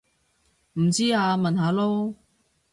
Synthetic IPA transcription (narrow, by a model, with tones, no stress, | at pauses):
m̩˨˩t͡siː˥aː˨˧mɐ˨nɦaː˨˧lo˥w